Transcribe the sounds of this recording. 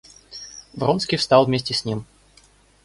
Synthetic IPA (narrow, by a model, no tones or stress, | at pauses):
vɾonskʲijfst̪ɑlˠvmʲesʲtʲɪsʲnʲim